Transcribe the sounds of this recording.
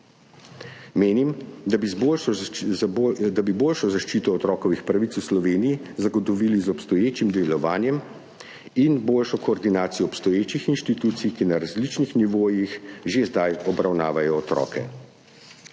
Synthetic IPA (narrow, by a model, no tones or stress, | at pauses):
meːnimd̪abibl | d̪abiboːlʃɔzaʃt͡ʃiːt̪ɔːt̪ɾɔːkɔʋixpɾaʋit̪suslɔʋeːnijizaɡɔt̪ɔʋilizɔpst̪ɔjeːt͡ʃimd̪ɛlɔʋaːnjɛm | inboːlʃɔkɔːɾd̪inaːt̪sijɔːpst̪ɔjeːt͡ʃixinʃt̪it̪uːt̪sijkinaɾazlit͡ʃnixniʋoːjixʒezd̪ajɔbɾawnaːʋajɔːt̪ɾɔ̰ːkɛ̰